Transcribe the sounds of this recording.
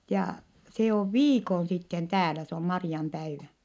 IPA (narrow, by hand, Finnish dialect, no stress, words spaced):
jɑ se oʋ ʋiːkon sitːen tæːlæ se om mɑriɑmpæiʋæ